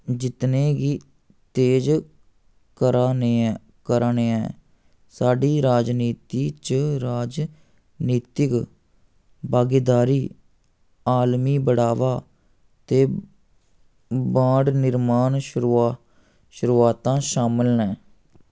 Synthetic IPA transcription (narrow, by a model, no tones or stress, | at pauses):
d͡ʒɪt̪nẽːɡiː | t̪eːd͡ʒ | kəɾne | kəɾneːɛː | saːɖiːɾaːd͡ʒniːt̪iːt͡ʃɾaːd͡ʒ | niːt̪ɪk | baːɡiːd̪aːɾiː | aːlmiːbəɽaːʋaː | t̪eː | bãːɖnɪɾmaːnʃɾu | ʃʊɾuːaːt̪ãːʃaːmɪlnɛː